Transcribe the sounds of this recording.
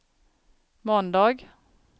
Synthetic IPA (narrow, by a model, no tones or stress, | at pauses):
mɔnd̪ɑːɡ